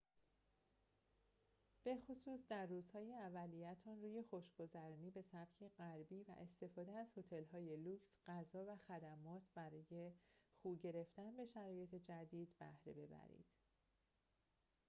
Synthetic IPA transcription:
b̥e̞xosuːsd̪æɾːuːzhɒːjeævælijæt̪ʰɒnruːje̞xoʃɡ̥o̞zæɾɒːniːbe̞sæb̥cʰe̞ɣæɾbiːvæ̰ʔe̞st̪e̞fɒːd̪eæz̥ho̞t̪ʰe̞lɦɒːje̞luːcsɢ̥æzɒːvæxæd̪æmɒːt̪ʰbæɾɒːje̞χuːɟe̞ɾe̞ft̪ænbe̞ʃæɾɒːje̞t̪ʰed͡ʒæd̪iːd̪bæ̰hɾe̞be̞bæ̰ɾḭd̪̥

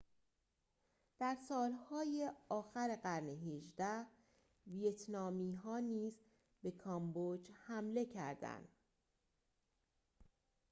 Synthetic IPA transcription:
d̪̥æɾsɒːlhɒːjeɒːxæɾeɢæɾneɦeʒd̪æh | vijet̪ʰnɒːmiːɦɒːniːz | be̞kʰɒmbod͡ʒhæmle̞cʰæ̰ɾd̪æ̰nd̪

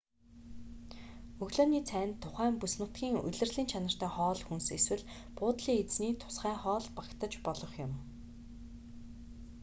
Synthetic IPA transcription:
ɵɣɮoːniːt͡sʰæːnt̪ʰːʊχæːmpusnɘ̆t̪ɡʲiːŋɵ̰ɮɘ̆rɮiːnt͡ɕʰanə̆r̥t̪æːχɔːɮxunseswɘ̆ɮ | pʊːt̪ɮiːet͡sniːt̪ʰʊ̥sχæːχɔːɮpakt̪ə̆t͡ɕpɔɮɞ̆χjʊm

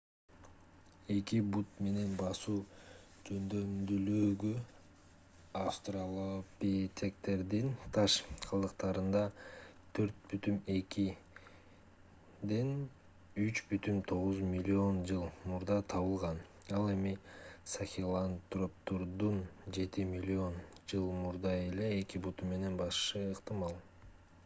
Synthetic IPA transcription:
e̞kibut̪̚me̞ne̞nbɑsuː | d͡ʒø̞nd̪ø̞md̪yløːɡy | afst̪ralˠopʲet̪ʲʰe̞kt̪e̞ɾd̪int̪ʰɑʃqʰɑlˠɯqt̪ɑɾɯnd̪ɑt̪ʰø̞ɾt̪̚byt̪yme̞ki | d̪e̞n | yt͡ʃbyt̪ymt̪ʰo̞ʁuzmʲilʲːio̞nd͡ʒɯlˠmuɾd̪ɑt̪ʰɑβɯlˠʁɑn | ɑlˠe̞misaxʲilˠant̪rop̚t̪oɾd̪und͡ʒe̞t̪imʲilʲːio̞nd͡ʒɯlˠmuɾd̪ɑe̞le̞ːkibut̪umːe̞ne̞nbɑʃʃɯːqt̪ɨmɑlˠ

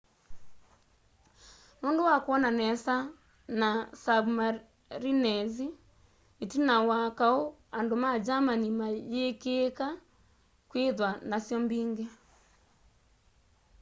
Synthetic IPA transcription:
nondowakwɔnanɛsa | nasabma | ɾinɛzi | etinawakaoandomad͡ʒamanimajekeːka | kweðwanasjɔmbiːŋɡɛ

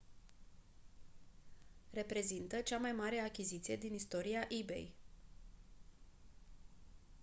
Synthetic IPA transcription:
re̞pɾe̞zint̪ət͡ʃamajmaɾe̞akʲizit̪sije̞d̪inist̪o̞ɾiaʔibe̞̰j

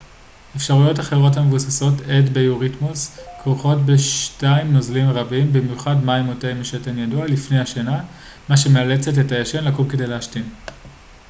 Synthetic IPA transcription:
efʃaʁujo̞taχe̞ʁo̞t̬hamevusaso̞tedbejuʁitmuskoχo̞tbeʃtaimnozlimʁabimbimjuχadmaimotejmiʃetenjadualifnejhaʃana | maʃemeale̞t͡se̞tetajaʃe̞nlakulke̞de̞jleaʃtim

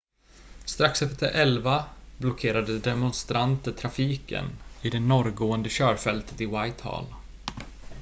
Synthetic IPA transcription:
st̪ɾaksɛft̪əɾʔɛlvablɔkʰeːɾad̪əd̪ɛmɔnst̪ɾʔant̪əʈʰɾafiːkə̰nɪd̪ɛnɔɾɡoːənd̪əɕœːɾfɛlt̪ə̥t̪ɪwajt̪hɑ̰ːl

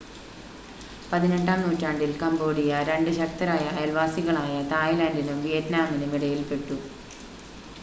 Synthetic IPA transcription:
pɐðine̞ɳɖaːmnuːtːaːɳɖilkɐmbo̞ːɽijɐɾe̞ɳɖɨɕɐk̚t̪ɐɾaːjɐɐlʋaːsiɣɐɭaːjɐt̪ʰaːjlaːndinumʋijɐtnaːminumiɽɐjilpe̞ʈːu

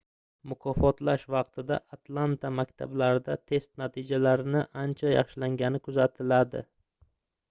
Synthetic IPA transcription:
mʊkʰɒfɒt̪laʃvɑq̚t̪ʰɪd̪a̰ʔat̪lˠant̪ʰamakʲt̪ʰa̰blaɾɪd̪at̪ʰe̞st̪nat̪ʰɪd͡ʒalaɾɪnɪʔant͡ʃʰajɑ̰χʃɪlaŋɡʲanɪkʰʊzat̪ʰɪlad̪ɪ̰

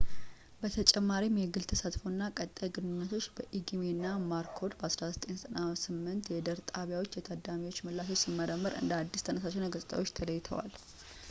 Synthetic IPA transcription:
bət̪ʰət͡ʃʼɛmːaɾimjɛɡɨlt̪ʰəsat̪fonːakʼət̪ʼːajɡɨnɨnːət̪ʰo̞t͡ʃːbəʔiɡiminːamaɾkʰo̞d̪bəasɾazət̪ʼenət̪ʼənasɨmːɨnt̪jɛd̪əɾt̪ʼaβjawo̞t͡ʃːjɛt̪ʰad̪amiwo̞t͡ʃːməlːas̬o̞t͡ʃsimːəɾəmːəɾɨ̰nd̪əhad̪ːist̪ʰənəsat͡ʃɛnəɡəsʼt̪ʼə̰wo̞t͡ʃːt̪ʰələjːɪt̪ʰə̰wa̰l

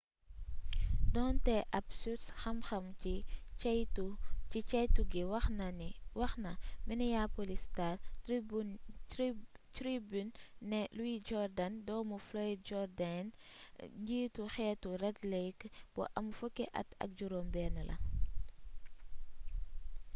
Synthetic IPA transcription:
dɔntɛʔɐpsusxɐmxɐmi | ut͡ʃit͡ʃɐjtuɡiwɐ | wɐxnɐminɛjapolistat | tɾibynːɛluwid͡ʒɔɾdandɔːmuflɔjd͡ʒɔɾdanɲɟiːtuxɛːturɛtlejkb̥ɔ̰ʔɐmfukːɛʔɐ̰tɐ̰k̚ɟuɾoːmbɛːnɐlɐ̰

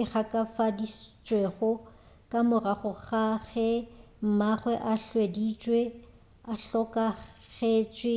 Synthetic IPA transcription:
ɪɣakʼafadist͡ʃʼweɣʊ | kʼamʊraχʊɣaɣɛ | m̩maɣwɛʔaɬwedit͡ʃʼwe | aɬɔkʼa | ɣet͡ʃʼwɪ

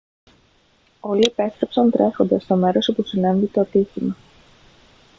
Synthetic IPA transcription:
o̞liepe̞st̪ɾepsɐnt̪ɾe̞xo̞nd̪ɐst̪ome̞ɾo̞sopusinɐnd̪it̪oɐt̪içimɐ

